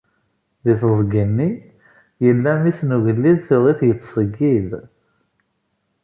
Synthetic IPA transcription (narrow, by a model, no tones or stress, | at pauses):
ðiθəzˤɡənːi | jəlːæmisnuʝəlːiðθʊʁiθjət̪ːsˤəɡːið